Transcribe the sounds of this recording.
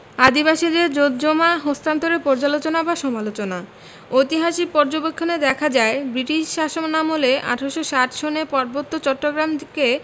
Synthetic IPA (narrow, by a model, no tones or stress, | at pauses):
ad̪ibaʃid̪eɾd͡ʑot̪d͡ʑomaɦost̪ant̪oɾeɾpɔɾd͡ʑalot͡ɕonabaʃɔmalot͡ɕona | ojt̪iɦaʃipɔɾd͡ʑobekʰːoneɾd̪ɛkʰad͡ʑaebɾiʈiʃʃaʃoŋnamoleʔa̰ʈʰoʃoʃaʈʃʰonepɔɾbot̪ːot͡ɕɔʈːoɡɾamke